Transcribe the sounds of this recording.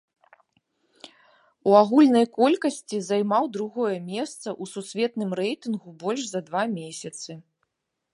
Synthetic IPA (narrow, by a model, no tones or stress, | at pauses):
uaɣulʲnɐjkɔlʲkɐsʲt͡sʲizajmawd̪ɾuɣɔjɛmʲɛst̪sɐʔususʲvʲɛt̪nɨmɾɛjt̪ɨnɣubɔlʲʂzɐd̪vamʲesʲɐt̪sɨ